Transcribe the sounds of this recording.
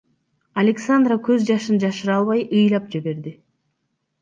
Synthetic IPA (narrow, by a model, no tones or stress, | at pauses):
alʲeksand̪rakøzd͡ʒɑʃɯnd͡ʒɑʃɯɾɑlˠβɑjɯjlˠɑp̚d͡ʒeβe̞ɾd̪ɪ